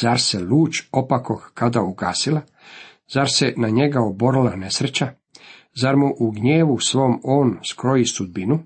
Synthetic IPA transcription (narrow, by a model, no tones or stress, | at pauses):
zaɾseluːt͡ɕopakokkad̪auɡa̰ːsila | zaɾsenaɲe̞ɡaoboɾlane̞sɾet͡ɕa | zaɾmuʔuɡɲeːʋusʋo̞ːmo̞ːnskɾo̞jisud̪̚binu